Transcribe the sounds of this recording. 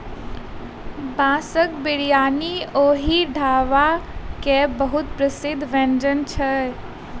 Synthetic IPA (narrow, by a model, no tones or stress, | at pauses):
bãːsəkbɪɽijaːnioːɦiɖʱaːʋakebəɦut̪̚pɾəsɪd̪ʱːʋẽːnd͡ʒənt͡ʃʰə